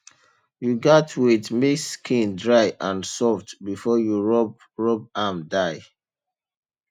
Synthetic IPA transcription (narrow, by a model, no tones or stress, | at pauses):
juɡɔtʰwiθmiskʰĩndɹaɪʔãnsɔftbifɔjuɹɔb | ɹɔbamdaɪ